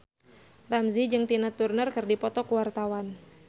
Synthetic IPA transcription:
ramzid͡ʒɨŋt̪inat̪urnərkɨrdipɔt̪ɔkuwart̪awan

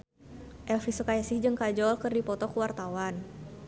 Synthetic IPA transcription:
ʔɛlfisukajasɪhd͡ʒɨŋkad͡ʒɔlkɨrdipɔt̪ɔkəwart̪awan

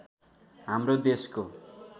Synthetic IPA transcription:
ɦamrod̪esko

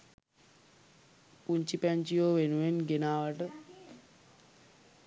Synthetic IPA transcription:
puɲt͡ʃipɛɲt͡ʃijoːʋenuʋenɡenaːʋaʈə

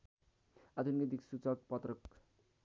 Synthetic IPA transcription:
ad̪ʰʱunɡed̪iksut͡sʌk̚pʌt̪rʌk

